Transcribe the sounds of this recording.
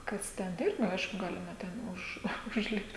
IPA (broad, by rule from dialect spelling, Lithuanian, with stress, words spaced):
ˈkɐs tʲɛn ˈɪrʲɡʲɪ ˈɐɪʃkʊ ˈɡɑːlʲɪmɐ ˈtʲɛn ʊʃ ʊʒʲˈlʲɪpt